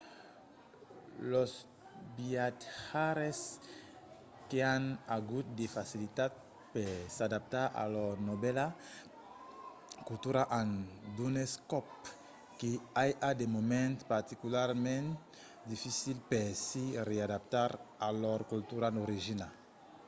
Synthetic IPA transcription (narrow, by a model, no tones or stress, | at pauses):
los | biat̪haɾes | keanaɡut̪̚d̪efasilit̪at̪̚ | pesad̪ap̚t̪aɾʔa̰lɔɾnobɛla | kult̪uɾaʔãnd̪uneskɔp | keajʔad̪emomẽnt̪paɾt̪ikulaɾmẽn | d̪ifisilpesiread̪ap̚t̪aɾalɔɾkult̪uɾanoɾiʒinal